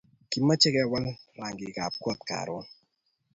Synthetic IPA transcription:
ki˨mːa˦t͡ʃɪ˦kɛ˦wa˦lra˨ŋɡɪ˨ɡa˨p̚kwɔ˦t̪̚ka̰˨ɾɔ˦

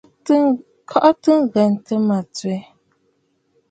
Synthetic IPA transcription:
kʰɔ˦ʔɔ˦tɨ˦ŋɣɛ˨n˨tə˦ma˨t͡swe˨˦

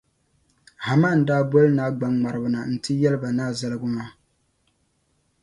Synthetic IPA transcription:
ha˨ma˦˨n̩˨daː˦bɔ˦lnaː˦ɡ͡ba˦ŋŋ͡ma˨ɾɨ˨bʊ˨na˨n̩˨tɨ˦jɛ˦lɨ˦ba˨naː˦za˦lɨ˦ɡʊ˦maː˦

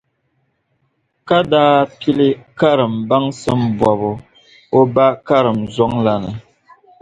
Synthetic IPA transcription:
ka˦daː˦pi˦lɨ˦ka˦ɾɨ˨mba˦ŋsɨ˦mbɔ˨βʊ˨ | o˦ba˦ka˦ɾɨ˨mzɔ˦ŋla˨nɨ˨

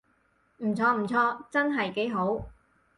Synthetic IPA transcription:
m̩˨˩t͡sʰɔː˧m̩˨˩t͡sʰɔː˧t͡sɐ˥nɦɐ˨jke˨˥jɦo˨˥w

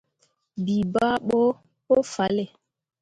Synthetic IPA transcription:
bi˨ba˦ɓo˦ | o˦fa˨˦lɛ˨

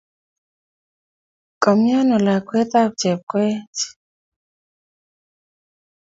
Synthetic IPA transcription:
kɔ˨mja˦nɔ˨la˨kwɛ˦t̪a˦k̚t͡ʃɛ˨p̚kwɛ˦t͡ʃ

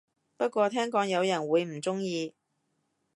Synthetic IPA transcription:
pɐ˥t̚kʷɔː˧t̪ʰɛː˥ŋkɔː˧ŋjɐ˨˧wjɐ˨˩nwuː˨˧jm̩˨˩t͡sʊ˥ŋjiː˧

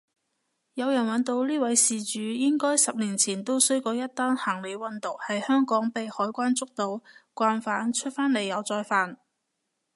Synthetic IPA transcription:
jɐ˨˧wjɐ˨˩nwɐ˨˧nt̪o˧wliː˥wɐ˨˥jsiː˨t͡ʃyː˨˧jɪ˥ŋkɔː˥jsɐ˨p̚liː˨˩nt͡sʰiː˨˩nt̪o˥wsɵ˥ɥko˧wjɐ˥t̪ːaː˥nhaː˨˩ŋle˨˧jwɐ˨˧nt̪ʊ˨k̚hɐ˨jhœː˥ŋkɔː˨˥ŋpe˨jhɔː˨˥jkʷaː˥nt͡sʊ˥k̚t̪o˨˧wkʷaː˧nfaː˨˥nt͡ʃʰɵ˥t̚faː˥nle˨jːɐ˨˧wt͡sɔː˧jfaː˨n

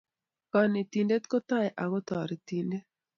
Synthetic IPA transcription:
kɔ˨ni˨t̪i˨nde˦t̪ko˦t̪a˦jʔa˨ɡɔ˦t̪ɔ˨ɾe˨t̪i˨nde˦

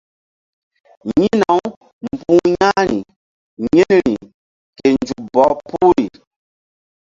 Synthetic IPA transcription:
ɲi˦na˨˦w | m̩˨pũ˦ɲa˦ɾi˨ | ɲe˦n˨ɾi˨ | ke˨nd͡ʒu˨bɔ˨˦pu˦ɾi˨

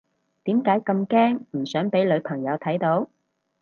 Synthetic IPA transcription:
t̪iː˨˥mkaː˨˥jkɐ˧mkɛː˥ŋm̩˨˩sœː˨˥ŋpe˨˥jlɵ˨˧ɥpʰɐ˨˩ŋjɐ˨˧wt̪ʰɐ˨˥jt̪o˨˥w

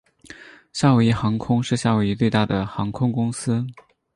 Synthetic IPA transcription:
ɕja˥˩wu˧˩i˧˥˩xɑ˧˥ŋkʰʊ˥ŋʂɻ̩˥˧ɕja˥˩wu˧˩i˧˥t͡swe˥˧ɪt̪a˥˩d̪ə˩xɑ˧˥ŋkʰʊ˥ŋkʊ˥ŋsɹ̩˥

